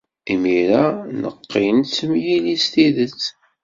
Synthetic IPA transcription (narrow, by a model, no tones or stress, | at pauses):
imiɾanə̰qːint͡sːəmjilist̪iðət͡sː